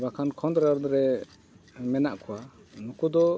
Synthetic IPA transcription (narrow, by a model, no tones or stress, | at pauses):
bakʰankʰɔnd̪ɾɛɾd̪ɾɛ | mɛnaʔkʰɔwa | nukud̪ɔ